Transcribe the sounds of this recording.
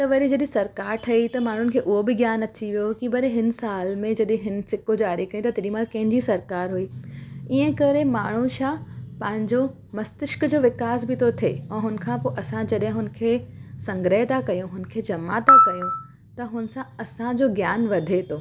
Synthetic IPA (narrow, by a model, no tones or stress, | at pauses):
t̪ɐʋɐɾid͡ʑɐɗɪ̃sɐɾkaːɾʈʰɐit̪ɐmaːɳ̤ʊn̆kʰeːʔʊɦobɪɡjaːnɐt͡ɕiʋijokibɐɾẽɦɪnsaːlmẽd͡ʑɐɗɪ̃ɦɪn̆sɪkod͡ʑaːɾikɐjĩt̪ɐt̪eɾimaːlkɐ̃ɦɪ̃ɲd͡ʑisɐɾkaːɾɦuiːiɦə̃kɐɾemaːɳ̤̃ũʃapɐ̃ɦɪ̃ɲd͡ʑo | mɐst̪ɪʃkd͡ʑoːʋɪkaːsbɪt̪ʰot̪ʰeːɛ̃ːɦʊn̆kʰãːpoːʔɐsãd͡ʑɐɗɦɪ̃ɦʊn̆kʰeːsɐ̃ŋɡɾəɦt̪akɐjũɦʊnkʰeːd͡ʑɐmat̪akɐjũ | t̪ɐɦʊnsãɐsãd͡ʑoːɡjaːnʋɐd̪ʱet̪ʰoː